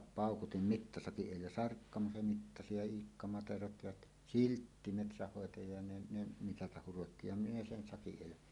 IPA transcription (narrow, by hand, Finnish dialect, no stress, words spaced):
pɑˑukutim mitːɑsɑkiʔ ʔeˑilːæ sɑrkːɑmɑ se mitːɑsi jɑ iːkːɑ mɑterot jɑt siltːi metsæhːoˑetɑjɑ jɑ ne ne mitɑtɑh hurotːi jɑ minæ sen sɑkiʔ ʔeˑilːæ